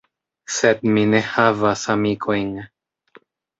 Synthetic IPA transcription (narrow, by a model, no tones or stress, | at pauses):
sed̪̚minehavasamikʰojŋ